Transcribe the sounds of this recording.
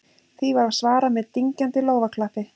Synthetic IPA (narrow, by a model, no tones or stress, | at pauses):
θivaɾvasvaːɾamɛðt̪iɲcant̪ɪloːwvakʰlafɪ